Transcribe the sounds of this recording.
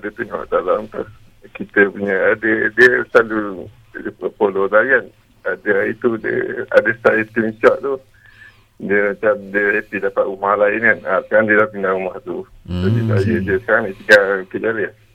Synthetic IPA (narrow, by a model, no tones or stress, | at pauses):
adət̪uɲawa̰ʔdalamt̪uh | kit̪əpuɲəadədiəslalu | əpolodajan | adəait̪udiə̰a̰dəst̪aet̪əmit͡ʃaʔt̪u | diəmat͡ʃamdiəhepidapaʔ̪umahlaɪnkanasə̥kaɾaŋdiəlahpindaŋumaht̪usodiəsajədiəsə̥kaɾaŋit̪əɡakəʔd͡ʒalə